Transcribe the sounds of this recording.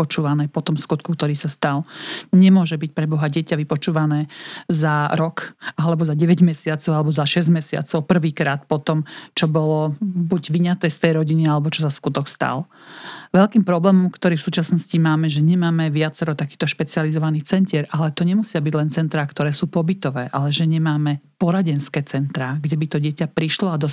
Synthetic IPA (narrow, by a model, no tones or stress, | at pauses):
ɔt͡ʃuːʋanɛːpɔt̪ɔmskut̪kukt̪ɔɾiːsast̪alɲɛmʊɔʒɛbic̚pɾɛbɔɦaɟɪɛcaʋipɔt͡ʃuːʋanɛːzaɾɔkʔalɛbɔzaɟɛʋɛɟmɛsɪat͡sɔʊalɛbɔzaʃɛzɟmɛsɪa̰t͡sɔʊpr̩ʋiːkɾaːt̪̚pɔt̪ɔmt͡ʃɔbɔlɔbuɟʋiɲat̪ɛːst̪ɛjɾɔɟinialɛbɔt͡ʃɔsaskut̪ɔkst̪a̰l | ʋɛʎkiːmpɾɔblɛːmɔmkt̪ɔɾiːfsuːt͡ʃasnɔscimaːmɛʒɛɲɛmaːmɛʋɪat͡sɛɾɔt̪akiːt̪ɔʃpɛt͡sɪalizɔʋaniːt͡sɛncɪɛɾʔalɛt̪ɔɲɛmusɪabiɟlɛnt͡sɛnt̪ɾaːkt̪ɔɾɛːsuːpɔbit̪ɔʋɛːʔalɛʒɛɲɛmaːmɛpɔɾaɟɛnskɛːt͡sɛnt̪ɾaːɡɟɛbit̪ɔɟɪɛcapɾiʃlɔad̪ɔ